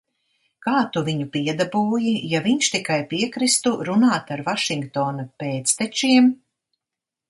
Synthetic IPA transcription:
kaːt̪uviɲupiɛd̪abuːjijaviɲʃt̪ikajpiɛkɾist̪uɾunaːt̪aɾvaʃiŋɡkt̪ɔːnupeːt̪st̪ɛt͡ʃiɛm

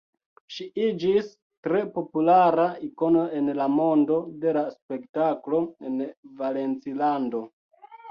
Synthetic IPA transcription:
ʃiid͡ʒis | tɾe̞po̞pulaɾaiko̞no̞e̞nlamo̞ndo̞de̞laspe̞ktaklo̞envale̞nt͡silando̞

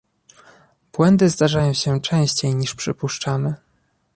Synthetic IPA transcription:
b̥wɛnd̪ɘzd̪aʐajɔ̃w̃ɕɛt͡ʂɛ̃w̃ɕt͡ɕejɲiʂpʂɘpuʂt͡ʂamɘ

